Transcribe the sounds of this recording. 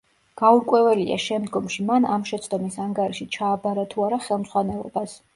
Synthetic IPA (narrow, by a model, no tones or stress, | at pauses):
ɡ̥auɾkʼwɛvɛlia̰ʃɛmd̪ɡɔmʃimanamʃɛt̪sʰd̪ɔmisaŋɡaɾiʃit͡ʃʰaːbaɾat̪ʰuaɾaχɛlˠmzʁwanɛlˠɔ̰bas